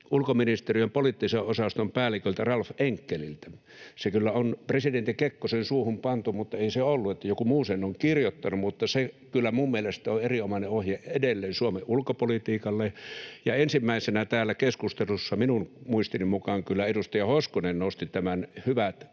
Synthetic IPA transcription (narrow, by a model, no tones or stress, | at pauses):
ulkominist̪erijempolit̪ːiseʔʔosɑst̪ompæːlikøˑlt̪ærɑlfʔeŋkːelḭlt̪æ̥ | sekylːæonpresident̪ikekːosensuːhumpɑnt̪umut̪ːɑeˑiseolːuet̪ːæjokumuːsenoŋkirjot̪ːɑnumut̪ːɑsekylːæmumːielest̪ˑæoeriomɑneʔohjeʔʔedelːeːnsuomeʔʔulkopolit̪iːkɑlːejɑensimːæˑisenæt̪æːlːækeskust̪elusːɑminunmuist̪inimukɑːŋkylːæedust̪ɑjɑhoskonennoˑust̪it̪æmænhyʋæt̪